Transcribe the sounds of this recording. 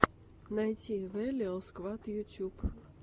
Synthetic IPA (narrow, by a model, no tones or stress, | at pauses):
najtʲivɛlʲiəlˠskvat̪jutʲup